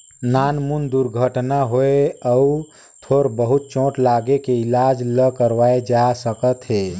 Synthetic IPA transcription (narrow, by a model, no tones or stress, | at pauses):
nanmund̪uɾɡʱəʈnaɦoeəu | t̪ʰoɾbəɦut̪̚t͡ʃõʈlaɡekeilad͡ʒləkəɾʋaed͡ʒasəkət̪ɦe